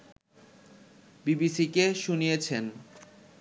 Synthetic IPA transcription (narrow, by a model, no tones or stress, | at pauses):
bibisikeʃunijet͡ɕʰen